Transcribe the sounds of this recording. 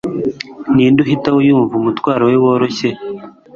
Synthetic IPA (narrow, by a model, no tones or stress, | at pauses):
niːnduɦitaujuːɱvumutwaːɾaweβo̞ːɾoçe